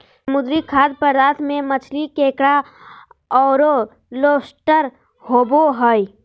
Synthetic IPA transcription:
mʊd̪ɾikʰaːd̪̚pəɾːaːt̪ʰmẽmət͡ʃʰlikẽːkɽa | ɔːɾo | loːsʈəɾ | hoːboɦoi

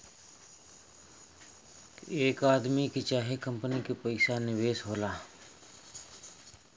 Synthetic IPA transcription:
eːkaːd̪mikit͡ʃaːɦekə̃mpənikepəɪsanɪʋeːsɦoːlaː

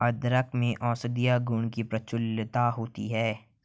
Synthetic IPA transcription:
ɐd̪ɾəkmẽʔɔːsəd̪ijaɡuːnkipɾɐt͡ʃʊlt̪aɦoːt̪ḭɦɛː

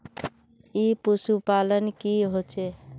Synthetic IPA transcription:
ipusupalənkiɦot͡ʃe

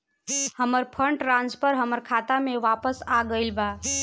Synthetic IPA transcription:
həməɾpʰəɳʈɾãnd͡ʒpəɾɦəməɾkʰat̪ameʋapəsaɡəɪlba

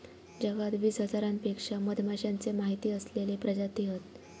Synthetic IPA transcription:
d͡ʑəɡat̪ʋiːsɦəd͡zaɾanpekʂaməd̪ʱmaɕjãnt͡semaɦit̪iːəslelepɾəd͡ʑat̪iɦət̪

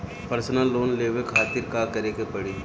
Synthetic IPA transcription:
pɐɾsnaloːnleːʋekʰaːt̪ɪɾkaːkɐɾekepɐɽiː

